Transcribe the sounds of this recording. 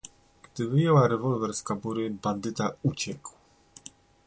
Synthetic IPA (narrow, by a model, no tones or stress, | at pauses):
ɡ̥d̪ɘvɘjɛwaɾɛvɔlvɛɾskabuɾɘband̪ɘt̪aut͡ɕɛkw